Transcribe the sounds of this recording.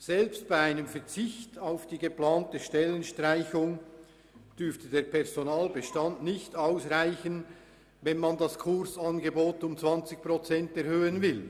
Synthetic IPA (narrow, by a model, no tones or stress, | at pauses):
z̥ɛlpst̚b̥aɪaɪnəmfɛɐt͡sɪçtaʊfd̥iːɡəplaːntəʃtɛlənʃtʁaɪçʊŋ | d̥ʏftədeːɐpʰɛʁzonaːlbəʃtandnɪçtaʊsʁaɪçən | vɛnmandɑskʰʊʁsanɡeboːtʊmt͡sv̥ant͡sɪçpʁot͡sɛntɛʁhøːənvɪl